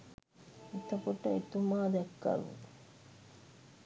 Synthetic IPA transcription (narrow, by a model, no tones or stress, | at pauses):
et̪əkuʈəet̪umaːd̪ɛkːa̰lṵ